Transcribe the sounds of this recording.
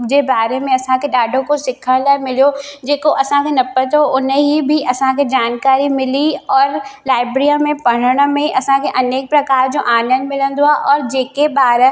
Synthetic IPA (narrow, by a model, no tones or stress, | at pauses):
d͡ʒebaːɾemẽɐsãkeɗaːɖʱõkosɪkʰəlamɪlijod͡ʑeːkoʔɐsãkʰenɐpət̪ɦoʔʊnɦibʱiʔɐsãked͡ʒaːnkaːɾimɪliɔːɾlaːɪbɾijamẽpɐɽ̤əɽ̃mẽʔɐsãkeʔɐneːk̚pɾɐkaːɾd͡ʑoʔaːnə̃nd̪mɪlə̃nd̪oaʔɔːɾd͡ʑeːkebaːɾ